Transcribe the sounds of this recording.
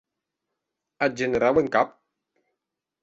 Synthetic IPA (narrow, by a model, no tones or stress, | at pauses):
ad͡ʒeneɾaweŋkap̚